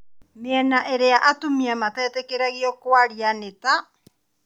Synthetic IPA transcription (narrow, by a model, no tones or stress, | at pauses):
meanaʔeɾeaʔatumiamataetekeɾaɣiokoaɾianeta